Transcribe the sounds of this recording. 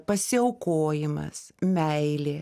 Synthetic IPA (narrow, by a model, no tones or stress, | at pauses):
pɐsʲɪɐʊkoːjɪmɐ̰smʲɛɪlʲeː